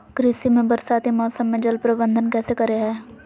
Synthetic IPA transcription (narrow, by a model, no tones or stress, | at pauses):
kɾɪsimẽbəɾsaːt̪imɔːsəmːẽd͡ʒɐlpɾəbə̃nd̪ʱənkɛːsekɐɾeɦɛː